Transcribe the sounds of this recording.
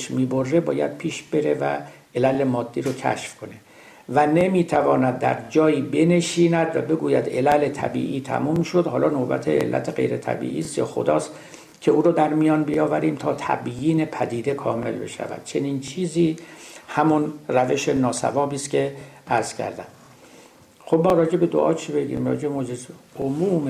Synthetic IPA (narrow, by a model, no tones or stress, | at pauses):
ʃmiːbo̞rːe̞bɒ̰ːjæ̰d̪̥̚pʰiːʃb̥eɾe̞væ̰ | ʔelælemɒːd̪ːiːɾocʰæ̰ʃfkʰo̞ne̞ | væne̞miːt̪ʰævɒːnæd̪̚ːæ̰ɾd͡ʒɒːjiːbe̞ne̞ʃiːnæd̪væbe̞ɡuːjæd̪e̞lælet̪ʰæ̰bḭːʔiːt̪ʰæ̰mumʃo̞d̪hɒːlɒːnobæ̰t̪ʰeḛlːæ̰t̪ʰeɣe̞̰jɾe̞t̪ʰæ̰bḭːʔiːst̪kʰḛxo̰d̪ɒːst̪ | cʰe̞uːɾɔːd̪æɾmijɒːnbijɒːvæɾiːmt̪ʰɒːt̪ʰæ̰bjiːne̞pʰæd̪iːd̪e̞kʰɒːme̞̰lbe̞̰ʃæ̰væ̰d̪̥t͡ʃʰe̞niːnt͡ʃʰiːziːhæmunræve̞ʃenɒːsæ̰vɒːbiːst̪kʲʰe̞æɾz̥cʰæ̰ɾd̪æm | xobmɒːɾɒːd͡ʒe̞be̞d̪o̰ʔɒ̰ːt͡ʃʰibe̞ɟḭmɒ̰ːd͡ʒebemod͡ʒezomuːm